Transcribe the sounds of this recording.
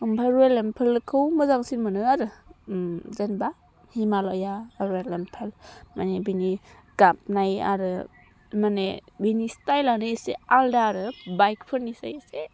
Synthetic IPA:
ɯmpʰaɾelempʰɯlkʰɯwmɯzaŋsinmɯnɯaɾɯ | zenba | himalɔjaɾelempʰelmanebiniɡ̥ap̚naja̰ɾɯ | manḛbinistajlanɯesealdaːɾɯbajkpʰɯɾnisa̰jese

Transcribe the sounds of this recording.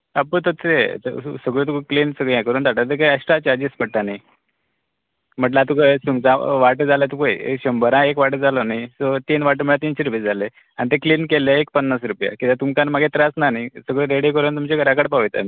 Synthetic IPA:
apəɭt̪ot̪et̪səɡɭẽt̪̬ukəkliːnsəɡɭãkəɾuːnt̪aʈat̪̬ekajəʂʈɾat͡ɕaɾd͡ʑispəɽt̪anaj | m̤əʈ̬lat̪̬ukəsuŋɡt͡sãʋaʈd͡zalat̪ukoḭḛkɕəmbəɾãekʋaʈəd͡zalonaisot̪iːnʋaʈəmiɭat̪inɕiɾuped͡zʱale | anit̪̬ekliːnkeleːk̚pənːasɾupja̰kit̪ãt̪umkanmaɡʱet̪ɾasnanaisəɡɭeɾeɽikəɾənt̪umt͡ɕekəɾakəɽpaʋəjt̪a̰ni

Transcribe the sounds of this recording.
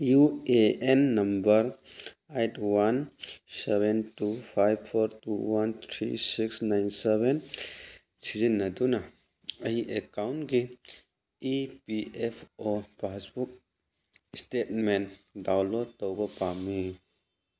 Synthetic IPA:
jueenːɐmbɐɾ | ajtwansebentupʰajbpʰɔɾtuwant̪ʰɾḭsiksnajnsebɛn | sizinːɐduna | ɐiʔekawntɡiː | piepʰɔbasbuk̚ | stet̚mendawlɔtɔwɡɔpami

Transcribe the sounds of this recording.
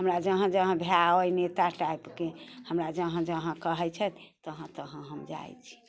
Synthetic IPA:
ɦəmɾad͡ʒəɦə̃d͡ʒəɦə̃bʱeaəjnet̪aʈajpkehəmɾad͡ʒəɦə̃d͡ʒəɦə̃kəɦɛt͡ʃʰət̪t̪əɦə̃t̪əɦə̃ɦəmd͡ʒa̰jt͡ʃʰi̥

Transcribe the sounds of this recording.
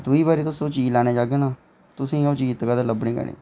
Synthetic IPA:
d̪ʊiːbaːɾiːt̪ʊsõːt͡ʃiːlaːñeːd͡ʒaːɡeːnaː | t̪ʊsĩːoːt͡ʃiːt̪kaːd̪eləbɽĩːɡə̰nḭː

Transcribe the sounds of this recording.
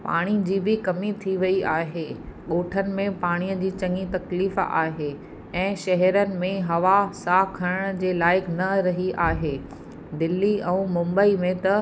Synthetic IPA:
pa̰ːɽ̃id͡ʑiːbɪkɐmit̪ʰiʋɐiaːɦeːɠoːʈʰənɪ̆mẽpaːɽ̃ijəd͡ʑiːt͡ɕɐ̃ŋɡit̪ɐkliːfa̰ːɦeː | ɛ̃ːʃɐɦɛɾənɪ̆mẽɦɐʋasaːkʰɐɾəɽ̃d͡ʑeːlaːɪkʰnɐɾɐɦiʔaːɦeː | d̪ɪlːiʔɛ̃ːmʊ̃mbəimẽt̪ɐ

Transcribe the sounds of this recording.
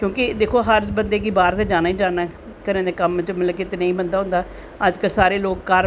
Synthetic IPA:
kjõːkɪd̪eːkʰoːɦəɾbənd̪eːɡiːbaːɾt̪eːd͡ʒaːnaːiːd͡ʒaːnaː | kənẽːd̪eːkəmt͡ʃməlkɪt̪ːnəĩːbənd̪aːɦʊ̃nd̪aː | əd͡ʒkəlsaːɾeːloːkkəɾ

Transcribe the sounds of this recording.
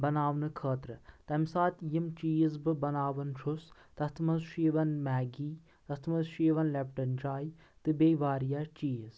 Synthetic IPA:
bɐnaːʋnɨkʰəːt̪ɾɨt̪ɐmsaːt̪jimt͡ʃiːzbɨbɐnaːʋɐnt͡ʃʰus | t̪ɐst̪ʰmɐzʃiːʋɐnmɛːɡiː | t̪ɐst̪ʰmɐzʃiːʋɐnlep̚ʈɐnd͡ʒaːji | t̪ɨbeːʋaːɾjat͡ʃiːz

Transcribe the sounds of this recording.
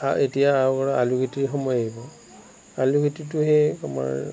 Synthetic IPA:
aetijaːwkɔɹaaluɡʱitiɹxɔmɔjaɦibɔ | aluɡʱitituɦɛama̰ɹ

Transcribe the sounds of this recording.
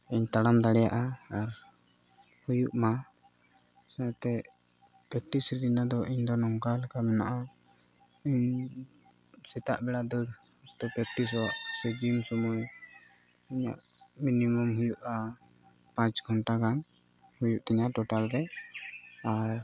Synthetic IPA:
iɲt̪aɽamd̪aɽɛjaʔaːɾ | hujuʔma | st̪ɛ | pɾɛk̚ʈisɾidinad̪ɔʔiɲd̪ɔnɔŋkalkamɛna̰ʔa | iɲ | sɛt̪aʔbɛɽad̪əɾ | t̪ɔpɾɛk̚ʈis̬ɔaʔsəd͡ʒimsɔmɔj | iɲa̰ʔ | minimɔmɦujuʔa | pãt͡ʃɡʱɔɳʈakan | hujuʔt̪ɛɲaʔʈɔʈalɾɛ | aɾ

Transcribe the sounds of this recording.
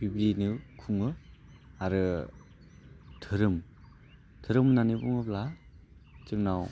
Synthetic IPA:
bibinɯkʰuŋɯ | aɾɯ | tʰɯɾɯm | tʰɯɾɯmnanibɔŋɯpla | tɯmnaw

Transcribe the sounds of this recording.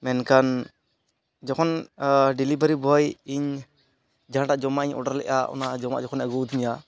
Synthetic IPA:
mɛnkan | d͡ʒɔkʰɔnɖilibəɾibɔjiɲ | d͡ʒaɦãʈaʔd͡ʒɔmaʔiɲɔ̰ɖaɾlɛ̰ʔa̰ʔɔ̰nad͡ʒɔma̰ʔd͡ʒɔkʰɔnaɡɔd̪iɲa

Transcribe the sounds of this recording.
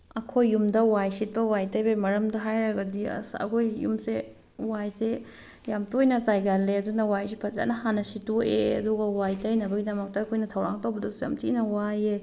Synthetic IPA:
ɐkʰojːumdɐwajsit̚pɐwajtɐjbemɐɾɐmdɐɦajɾɐɡɐdiɐ̰sɐ̰kʰojːṵmse | wajse | jamtojnɐt͡ʃajɡalːeɐdunɐwajsipʰɐza̰nɐɦanɐsitoʔḛɐ̰duɡɐwajtɐjnɐbɐɡidɐmɐk̚tɐːkʰojnɐtʰɐwɾaŋtɐwbɐdɐsuja̰mtinɐwaje

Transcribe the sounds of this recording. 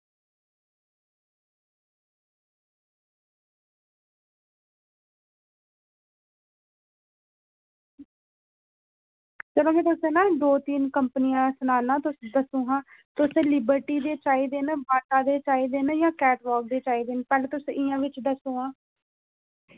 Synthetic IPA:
t͡ʃəloːmɛ̃ːt̪ʊsẽːnaːld̪oːt̪iːnkəmpnijãːsnaːnãːt̪ʊsd̪əsũːɦãːt̪ʊsẽːlɪbəɾʈiːd̪eːt͡ʃaːiːd̪eːnbaːʈaːd̪eːt͡ʃaːiːd̪eːnjãːkɛːʈʋɔːk̚d̪eːt͡ʃaːiːd̪eːnpɛːleːt̪ʊsʔɪjãːʋɪt͡ʃd̪əsũːɦãː

